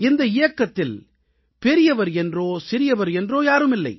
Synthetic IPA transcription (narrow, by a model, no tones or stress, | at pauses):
ɪnd̪ɐɪjɐkːɐt̪ːɪl | pɛɾɪjɐʋɐɾɛndroːsɪɾɪjɐʋɐɾɛndroːjaːɾɯmɪlːɐ̰ɪ